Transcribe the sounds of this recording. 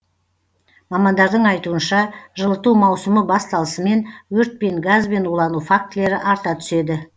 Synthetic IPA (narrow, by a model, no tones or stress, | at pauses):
mɑmɑnd̪ɑɾd̪əɴɑjt̪uənʃɑʒəlˠət̪uwmɑwsəməbɑst̪ɑlˠəsəme̞nwɵɾt̪̚pe̞ŋɡazbe̞nwolˠɑnufak̚t̪le̞ɾɪʔɑɾt̪ɑt̪ʰʏ̥se̞d̪ɪ